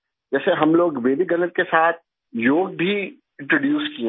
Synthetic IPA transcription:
d͡ʒɛːseɦɐmloːɡʋeːdiɡɐnət̪̚kesaːt̪̚ʰ | joːɡ̚bʱi | ɪ̃ɳʈɾoɖjuːskiẽ

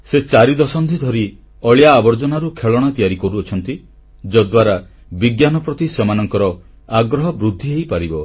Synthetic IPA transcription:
set͡ʃaɾid̪ɔsɔnd̪ʰʱid̪ʱɔɾi | ɔɭjaːbɔɾd͡ʒɔnaɾukʰeɭɔɽ̃at̪ijaɾikɔɾuɔt͡ʃʰɔnt̪i | d͡ʒɔd̪waɾa | biɡjanɔpɾɔt̪isemanɔŋkɔɾɔ | aɡɾɔɦɔbɾud̪ʱːiɦejpaɾibɔ

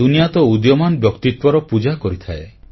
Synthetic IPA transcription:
unijat̪ɔud̪jɔmanbjɔkt̪it̪wɔɾɔpud͡ʒakɔɾit̪ʰae

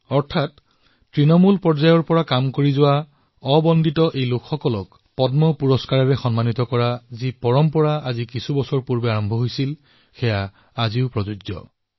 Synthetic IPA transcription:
ɔɹtʰat | tɹinɔmulpɔɹzajɔɹpɔɹakamkoɹizʊwa | ɔbɔndʱitɔʔejlʊkʰxɔkɔlɔk | pɔdmɔpuɹɔskaɹɔɹɛxɔnmanitɔkɔɹazipɔɹɔmpɔɹaazikisubɔsɔɹpuɹbɛaɹɔmbʱɔɦojsil | xɛjaː | ziʊpɹɔzud͡ʒzɔ̰

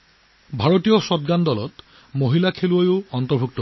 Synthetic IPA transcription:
bʱaɹotijɔsɔtɡandɔlɔ̰t | moɦilakʰeluojʊɔntɔɹbʱuk̚tɔ

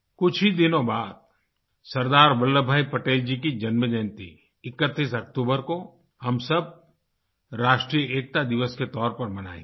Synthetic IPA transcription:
kʊt͡ʃʰɦid̪ɪnõbaːd̪̚ | sɐɾd̪aːɾbɐlːəbʱaːipɐʈeːld͡ʒik̬id͡ʒɐnməd͡ʒənt̪ḭ | ɪkːət̪ːiːsɐkt̪uːbəɾko | hɐmsɐb̚ | ɾaːʃʈɾijəʔeːk̚t̪ad̪ɪʋəsket̪ɔːɾpɐɾmɐna̰ːḭ̃ː

